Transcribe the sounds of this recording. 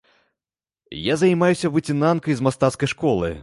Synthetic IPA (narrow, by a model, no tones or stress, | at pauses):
jazajmajusʲɐvɨt͡sʲinankɐjzmast̪at̪skɐjʂkɔlˠɨ̰